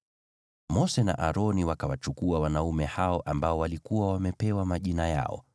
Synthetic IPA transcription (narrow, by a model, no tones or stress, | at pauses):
mɔsɛna̰ʔaɾɔniwakawat͡ʃukuawanaumɛhaɔʔambaɔwalikuwawamɛpɛwamaʄinaja̰ɔ̰